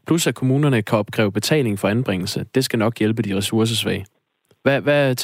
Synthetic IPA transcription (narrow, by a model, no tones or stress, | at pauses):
pʰlusækʰo̝muːnɐnəkʰæɒ̽b̥̚kʰʁɛ̰ːʊb̥e̝t͡sʰɛ̰ːle̝ŋfɒ̽ænb̥ʁeŋl̩səd̥e̝sɡ̥ænɒ̽ɡ̥jelb̥əd̥iʁɛsuɐs̬əs̬ʋɛ̰ɪ | ʋæʋæ